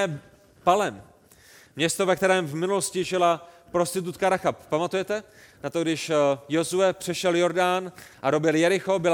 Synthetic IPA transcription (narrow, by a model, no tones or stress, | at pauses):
ɛ | palɛm | mɲɛst̪ovɛk̚t̪ɛɾɛːmvmɪnuloscɪʒɪla | pɾo̞st̪ɪt̪ut̪kaɾaxappamat̪ujɛt̪ɛ | nat̪oɡdɪʃjo̞zuɛpr̥ɛʃɛljo̞ɾdanʔaɾo̞bɪljɛɾɪxobɪl